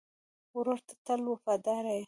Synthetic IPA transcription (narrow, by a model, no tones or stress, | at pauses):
ɾoɾt̪ḁt̪alwofad̪ɑɾaj